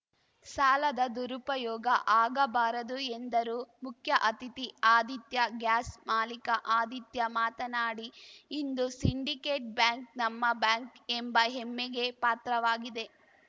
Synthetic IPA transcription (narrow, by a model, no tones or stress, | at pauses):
saːlɐd̪ɐd̪uɾupɐjɔːɡɐʔaːɡɐbaːɾɐd̪uend̪ɐɾuːmukʰjɐʔɐt̪it̪iaːd̪it̪jɐɡjaːsmaːlikɐʔaːd̪ʱit̪jɐmaːt̪ɐnaːɽiːnd̪usiɳɖikeːʈ̚bjaːŋknɐmːɐbjaːŋkembɐɦemːeɡe̞paːt̪ɾɐʋaːɡid̪e̞